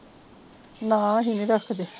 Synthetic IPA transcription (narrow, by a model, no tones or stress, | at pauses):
nãːɦiniɾəkʰd̪e